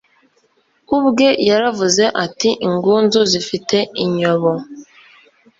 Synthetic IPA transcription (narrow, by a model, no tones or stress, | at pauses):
ubuɡejaɾavʊzeʔatiŋ̩ɡʊn̩zʊzifiteiɲɔβɔ